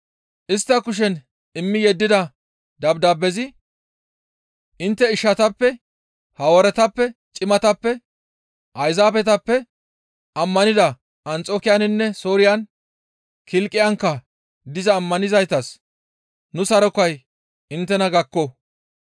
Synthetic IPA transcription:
ʔɪst̪ːɐkʊʃ̬ɛn | ɪmːɪjɛd̪ːɪd̪ɐ | d̪ɐbd̪aːbɛzɪ | ʔɪnt̪ːɛɪʃːɐt̪ɐpːɛ | hɐwɔɾɛt̪ɐpːɛt͡ʃʼɪmɐt̪ɐpːɛ | ʔɐjzaːpɛt̪ɐpːɛ | ʔɐmːɐnɪd̪ɐ | ɐnt͡sʼoːkɪjanɪnːɛso̞ːɾɪjɐn | kɪlkʼːɪjɐŋkːɐ | d̪ɪzɐːmːɐnɪzɐjt̪ɐs | nʊsɐɾɔkɐj | ɪnt̪ːɛnɐɡɐkːɔ

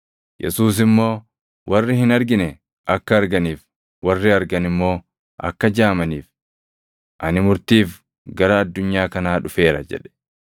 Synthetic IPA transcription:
jʔɛ̰suːs̬ɪmːo̞ː | wʔɐrːɪhɪnɐɾɡɪnɛ | ʔɐkːɐːɾɡɐniːf | wɐrːɪɐɾɡɐnɪmːo̞ː | ʔɐ̰kːɐd͡ʒaːmɐniːf | ʔɐnɪmʊɾt̪iːf | ɡɐɾɐːd̪ːʊɲːaːkɐnaːᶑʊfe̞ːɾɐ̰d͡ʒɛ̰ᶑɛ̥

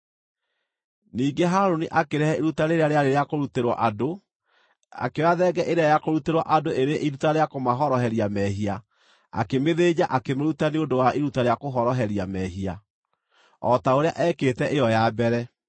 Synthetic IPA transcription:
niːɡeɦaɾoniʔakeɾɛhɛeɾutaɾeɾeaɾeaɾeɾeakoɾuteɾwa̰ʔado | a̰kewaðɛɡɛʔeɾeajakoɾuteɾwaʔadoʔeɾeʔiɾutaɾeakomaɦɔɾɔɦɛɾiamɛɦia | a̰kemeðed͡ʑaʔakemoɾutaneondowaʔiɾutaɾeakoɦɔɾɔɦɛɾiamɛɦia | ɔtaoɾea̰ʔɛːketɛʔejɔjabɛɾɛ

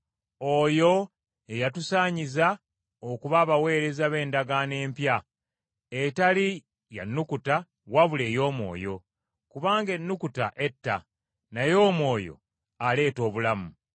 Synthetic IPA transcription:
o̞jo̞ | ejatusaːɲiza | okuβaːβawe̞ːɾe̞zaβe̞ːndaɡane̞ːmpja | etali | ja̰nːukuta | waβule̞ːjo̞ːmo̞̰ːjo̞ | kuβaːŋɡe̞nːukutaʔe̞tːa̰ | najo̞ːmo̞ːjo̞̰ | ale̞ːto̞ːβulamu

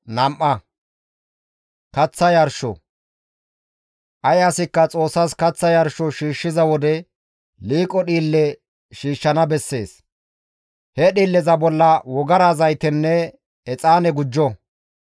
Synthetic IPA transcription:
nɐmʔɐ | kɐt͡sːɐjɐɾʃɔ̰ | ʔɐjɐsɪkːɐt͡sʼo̞ːsːɐskɐt͡sːɐjɐɾʃɔʃiːʃːɪzɐwɔd̪ɛ | liːkʼɔɗiːlːɛ | ʃiːʃːɐnɐbɛsːe̞ːs | hɛɗiːlːɛzɐbɔlːɐwɔɡɐɾɐzɐjt̪ɛnːɛ | ɛt͡sʼaːnɛɡʊd͡ʒːɔ

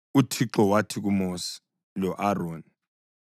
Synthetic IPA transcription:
utʰiǁɔwatʰik̬umosi̥ | lɔʔaroːni

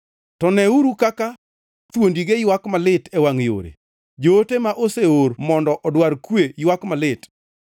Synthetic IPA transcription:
tɔnɛuɾukaka | t̪wondiɡejwakmalɪtɛwaŋjo̰ɾḛ | d͡ʒoːtemaʔoseoɾmɔndɔʔɔdwaɾkwejwakmalɪt

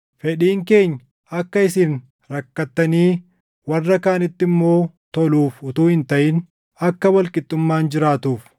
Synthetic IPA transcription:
fɛᶑiːŋke̞ːɲː | ɐkːɐɪsɪn | ɾɐkːɐt̪ːɐniː | wɐrːɐkaːnɪt̪ːɪmːo̞ː | t̪ɔluːfʊt̪uːhɪnt̪ɐʔɪn | ɐkːɐwɐlkʼɪt̪ʼːʊmːaːnd͡ʒɪɾaːt̪uːf

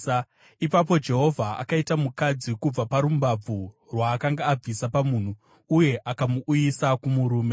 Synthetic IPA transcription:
ipapo̞d͡ʒe̞ɦo̞vʱaa̰kaitamukad͡zikub͡vapaɾumbab͡vu | rwaːkaŋɡaːb͡visapamun̤u | uje̞ʔakamuʔːjisakumuɾuːme̞

